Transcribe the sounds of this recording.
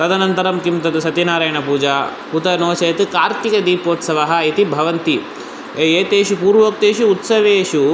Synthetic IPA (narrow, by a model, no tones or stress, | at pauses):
t̪ɐd̪ɐnɐnt̪ɐɾɐmkimt̪ɐt̪usɐt̪inaːɾɐjɐɳɐpuːd͡ʒaːput̪ɐnoːt͡ʃɐjɐt̪ɨkaːɾt̪ikɐd̪iːpoːt̪sɐʋɐɦɐit̪ibʱɐʋɐnt̪i | ejeːt̪eːʃupuːɾʋok̚t̪eːʃuːt̪sɐʋeːʃu